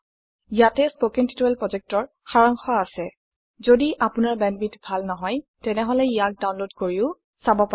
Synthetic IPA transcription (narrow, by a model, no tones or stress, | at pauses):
jatɛspokinti̥tuɹɛlpɹɔzɛk̚tɔɹ | xaɹaŋxɔasɛ | zodiʔapʊnaɹbɛnbitbʱalnɔɦɔjtɛnɛɦɔlɛijak̚daw̃nlodkoɹiʊ | sabɔpa